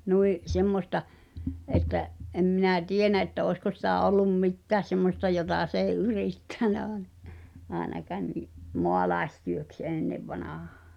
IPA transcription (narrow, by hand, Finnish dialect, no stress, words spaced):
nuiʔ semːostɑ ʔetːæʔ ʔem minæ tienæ etːæ oˑi̞sko sitæˑ olˑum mitːæːs semːostɑ jotɑˑ s ei yriˑtːæˑnæ ɑːĕnɑ ɑenɑkɑːn niʔ moɑlɑestyøks eˑnːeʋːɑnɑhɑ̥ː